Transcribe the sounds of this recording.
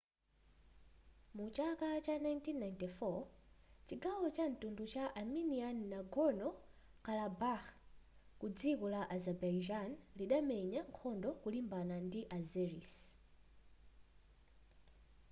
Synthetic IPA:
mut͡ʃakat͡ʃanajntinːajntifɔ | t͡ʃiɡawɔt͡ʃantundut͡ʃaʔaminianːaɡɔnɔ | kalabaxkud͡zikɔlaʔazɛbaid͡ʒanliɗamɛɲaŋkʰɔndɔkulimbanandiʔazɛɾis

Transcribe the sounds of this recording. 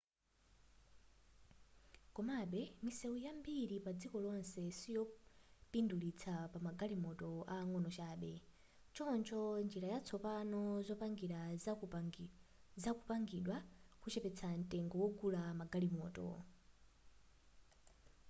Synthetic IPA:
kɔmaɓɛmisɛujambiɾipad͡zikɔlɔnsɛsijɔpindulit͡sʰapamaɡalimɔtɔaːŋɔnɔt͡ʃaːɓɛ | t͡ʃɔnt͡ʃʰɔnd͡ʒiɾajat͡sʰɔpanɔzɔpaŋɡiɾa | zakupaŋɡiɗwakut͡ʃɛpɛt͡sʰan̩tʼɛŋɡɔwɔɡulamaɡalimɔ̰ːtɔ̰

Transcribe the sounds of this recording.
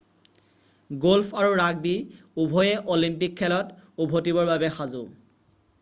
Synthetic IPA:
ɡolpʰaɹuɹaɡ̚bi | ubʱojɛʔolimpikʰːɛlɔtubʱotibɔɹbabɛxazʊ

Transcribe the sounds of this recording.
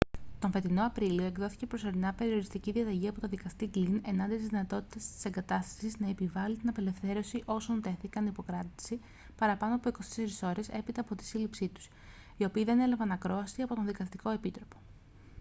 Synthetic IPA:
t̪o̞ɱfe̞t̪ino̞ɐpɾilio̞e̞ɡðo̞θi̥ce̞pɾo̞so̞ɾinɐpe̞ɾio̞ɾist̪iciðiɐðɐʝiɐpo̞t̪oðikɐst̪ikline̞nɐnd̪it̪izðinɐt̪o̞t̪i̥t̪ɐst̪i̥se̞ŋɡɐt̪ɐst̪ɐ̥siznɐe̞pivɐlit̪inɐpe̞le̞fθe̞ɾo̞siʔo̞so̞nt̪e̞θikɐnipo̞kɾɐt̪i̥si | pɐɾɐpɐno̞ɐpo̞iko̞st̪eseɾiso̞ɾe̞se̞pit̪ɐːpo̞t̪i̥silipsit̪u̥s | io̞piːðe̞ne̞lɐvɐnɐkɾo̞ɐsiɐpo̞t̪o̞nðikɐst̪iko̞e̞pit̪ɾo̞po̞̥

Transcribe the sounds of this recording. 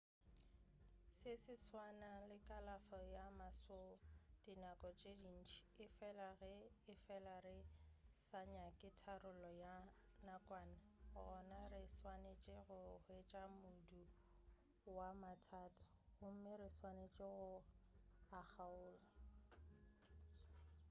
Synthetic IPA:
sesɪt͡sʰwanalɪkʼalafɔjamasod̥inakʼɔt͡ʃʼedin̩t͡ʃʰi̥ɪfɛlaɣɛɪfɛlarɪsaɲakʼɪtʰarʊlɔja | nakʼwaːnaɣʊɔnarɪswanet͡ʃʼɪɣʊhʊet͡ʃʼamʊdu | wamatʰaːtʼḁɣʊm̩mɪɾɪswanet͡ʃʼɪɣʊ | ak͡xʰaʊːla

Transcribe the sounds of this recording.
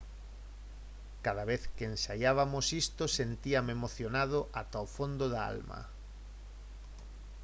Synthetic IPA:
kað̞aβeθkeensajaβ̞amosist̪osent̪iamemoθjonað̞oʔat̪aofond̪oðaa̰lmɐa̰

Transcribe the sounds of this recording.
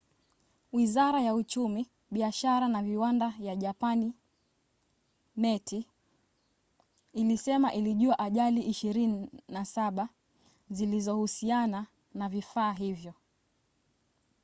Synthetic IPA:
wizaɾajaut͡ʃumi | ɓiaʃaɾanaviwandajaʄapani | mɛtʰi | lisɛmaʔiliʄuaʔaʄaliʔiʃiɾininasaɓa | zilizɔhusiana | navifaːɦivjɔ

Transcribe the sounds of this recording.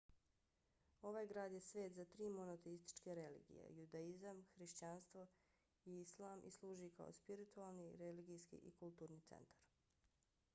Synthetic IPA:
o̞ʋaːjɡɾaːd̪jesʋeːt̪zat̪ɾiːmo̞not̪eist̪i̥t͡ʃkeɾelḭɡḭjḛjud̪aizamxɾiʃt͡ɕanst̪ʋo̞ | iislˠaːmʔḭslˠuːʒika̰o̰spiɾit̪ualˠniɾeliɡiskḭʔikulˠt̪uːɾnit̪sḛnt̪ʰḁɾ

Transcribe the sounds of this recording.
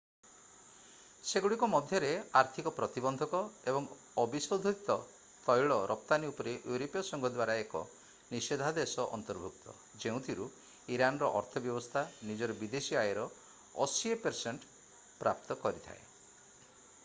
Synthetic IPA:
seɡuɽikɔmɔd̪ʱjɔɾeaɾt̪ʰikɔpɾɔt̪ibɔnd̪ʱɔkɔebɔŋ | ɔbisowd̪ʱɔt̪ɔ | t̪ɔjɭɔɾʔɔpt̪aniupɔɾeʔjuɾopijɔsɔŋɡʱɔd̪waɾaekɔ̰ | nised̪ʱad̪esɔʔɔ̰nt̪ɔɾbʱuk̚t̪ɔ̰ | d͡ʒeũt̪ʰiɾu | iɾanɔɾɔʔɔɾt̪ʰɔbjɔbɔst̪ʰanid͡ʒɔɾɔbid̪esiajeɾɔ | ɔsiepeɾseɳʈ | pɾap̚t̪ɔkɔɾit̪ʰa̰ḛ

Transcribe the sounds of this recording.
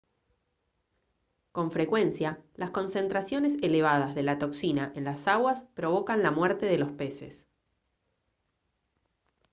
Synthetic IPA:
ko̞ɱfɾekwe̞nsjalasko̞nsẽ̞nt̪ɾasjo̞ne̞seleβ̞aðazðe̞lat̪o̞ksinaʔe̞nlasaɣwaspɾo̞β̞o̞kanlamweɾt̪e̞ðe̞lo̞spe̞sḛs

